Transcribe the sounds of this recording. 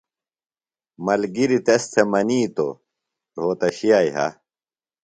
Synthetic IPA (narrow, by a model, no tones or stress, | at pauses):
mɐlɡiɾit̪ɐst̪ʰemɐniːt̪o̰ | ɾɦoːt̪ɐɕijaːiɦɐ̰